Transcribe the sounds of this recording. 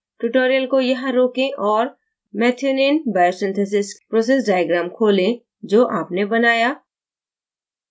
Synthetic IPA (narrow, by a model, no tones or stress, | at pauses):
ʈuʈoːɾijəlkojɐɦãɾoːkẽʔɔːɾ | mɛːt̪ʰjoːnenbaːjosɪ̃nt̪ʰes̬ɪspɾoːseːs̬ɖaːjəɡɾãːmkʰoːlẽ | d͡ʒoːʔaːpnebɐnaːjaː